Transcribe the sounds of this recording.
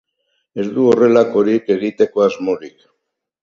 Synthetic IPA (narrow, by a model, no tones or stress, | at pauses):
e̞zd̪uo̞re̞lako̞ɾike̞ɣit̪e̞ko̞azmo̞ɾik